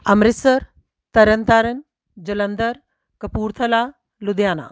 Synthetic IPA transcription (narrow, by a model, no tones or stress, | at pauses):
ɐmɾɪsɐɾ | t̪ɐɾɐnt̪aːɾɐn | d͡ʒɐlɐnd̪ɐɾ | kɐpuːɾt̪ʰɐlaː | lud̪jaːna̰ː